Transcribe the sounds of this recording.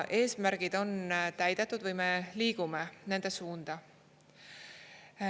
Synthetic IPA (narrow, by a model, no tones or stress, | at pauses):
ʔe̞ːsmæɾɡ̥id̪̥o̞nt̪æjd̪̥e̞t̪ːˑud̪̥vɯjme̞liːɡ̥ume̞ne̞nd̪e̞suːnd̪̥ɑ